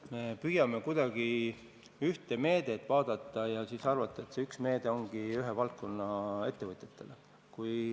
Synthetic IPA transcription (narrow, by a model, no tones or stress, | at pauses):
me̞pyjɑme̞kujd̪̥ɑɡ̥i | yht̪e̞me̞ːd̪̥e̞t̪ːˑvɑːd̪̥ɑt̪ːˑɑjɑsisɑrvɑt̪ːˑɑe̞t̪seyksme̞ːd̪̥e̞o̞ŋɡ̥iyɦevɑlt̪̚ko̞nːɑe̞t̪ːe̞vɤt̪ʲˑjet̪ːˑe̞le | kuj